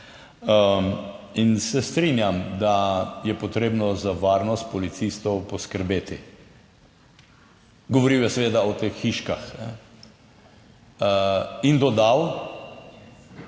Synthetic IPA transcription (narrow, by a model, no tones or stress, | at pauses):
ə | insɛst̪ɾinjamd̪ajɛpɔt̪ɾeːbnɔzaʋaɾnɔst̪̚pɔlit̪sist̪ɔwpɔskəɾbeːt̪i | ɡɔʋoɾiwjɛsɛʋeːd̪aɔt̪exːiʃkaxnɛ | ind̪od̪aw